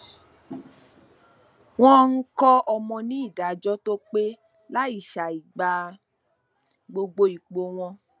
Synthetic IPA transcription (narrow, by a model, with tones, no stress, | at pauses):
w̃ɔ̃˦ŋ̩˦kɔ˦ɔ˧mɔ̃˧nĩ˦i˦˨da˨d͡ʒɔ˦to˦k͡pe˦ | la˦i˦˨ʃa˨i˨ɡ͡ba˨ | ɡ͡bo˧ɡ͡bo˧i˨k͡po˧w̃ɔ̃˧